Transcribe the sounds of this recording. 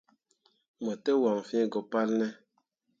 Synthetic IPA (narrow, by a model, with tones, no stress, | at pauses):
mɔ˨te˦wa˨ŋfĩ˦˨ɡɔ˨pa˦lnɛ˦